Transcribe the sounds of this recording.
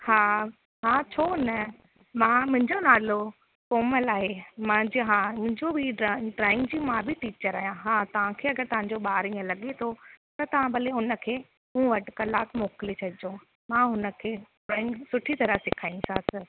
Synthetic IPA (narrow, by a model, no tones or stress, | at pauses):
haː | ɦãːt͡ɕʰoːnə | mãːmʊ̃ɦɪ̃ɲd͡ʑonaːlo | koːməlaːɦemãd͡ʑɦãːmʊ̃ɦɪ̃ɲd͡ʑobʱiɖaɖɾaːɪ̃ŋɡd͡ʑiːmãbʱɪʈiːt͡ɕəɾaːɦjãɦãːt̪ɐʋ̤ãkʰeːɐɡəɾt̪ɐʋãɲ̆d͡ʑoɓaːɾĩːə̃lɐɠet̪ʰot̪ɐt̪ɐʋ̤ãbɐliɦʊnə̆kʰeː | mũːʋɐʈɪkɐlaːkmoːklit͡ɕʰɐɗɪd͡ʑõ | mãːɦʊnə̆kʰeːʈɾaːɪ̃ŋɡsʊʈʰit̪ɐɾəfsɪkʰaːĩsãːsə